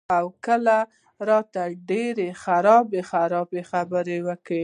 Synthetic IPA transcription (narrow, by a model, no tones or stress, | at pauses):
awkəla | ɾɑt̪aɖeɾexaɾɑbexaɾɑbexabəɾewəkɽe